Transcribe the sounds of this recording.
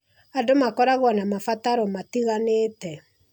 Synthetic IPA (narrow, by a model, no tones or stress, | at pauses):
adomakɔɾaɣwanamafataɾɔmatiɣanetɛ